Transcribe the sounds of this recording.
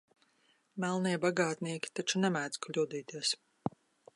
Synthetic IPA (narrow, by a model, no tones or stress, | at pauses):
mælˠniɛbaɡaːt̪niɛkʲi̥t̪at͡ʃunɛmæːd̪zklʲuːd̪iːt̪iɛs